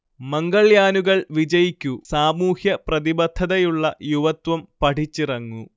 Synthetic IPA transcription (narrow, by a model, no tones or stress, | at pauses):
mɐŋɡɐɭjaːnuɣɐɭʋid͡ʑɐjikʲːusaːmuːhjɐprɐðibɐd̪ʱːɐðɐjuɭːɐjuʋɐt̪wɐmpɐʈʰit͡ɕːirɐŋːu